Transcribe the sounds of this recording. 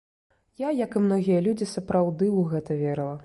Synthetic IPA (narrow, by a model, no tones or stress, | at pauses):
jajɐkɨmnɔɣʲijɐlʲud͡zʲisɐpɾawd̪ɨuɣɛt̪ɐvʲeɾɐlˠɐ